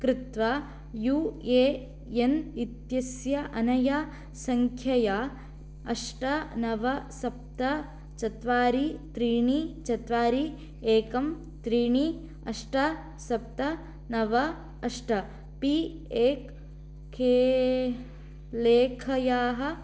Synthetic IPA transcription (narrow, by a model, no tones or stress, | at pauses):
kɾɪt̪ʋa | juːeː | enit̪jɐsjɐʔɐnɐjɐ | sɐŋkʰjɐjaː | ɐ̰ʂʈɐnɐʋɐsɐp̚t̪ɐ | t͡ʃɐt̪ʋaːɾit̪ɾiːɳit͡ʃɐt̪ʋaːɾi | eːkɐm | t̪ɾiːɳi | ɐ̰ʂʈɐ | sɐp̚t̪ɐ | nɐʋɐ | ɐʂʈɐ | pi | eːk | kʰeː | leːkʰɐjaːɦɐ̆